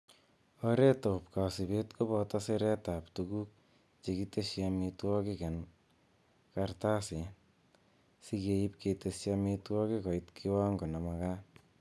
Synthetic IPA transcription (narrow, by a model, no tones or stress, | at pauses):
ɔɾetopkasibetkobɔtɔseɾɛtaptukuk̚ | t͡ʃekitesjamitwɔkikɛn | kartase | sikeip̚ketesjamitwɔkikɔitkʰiwaŋɡonamaka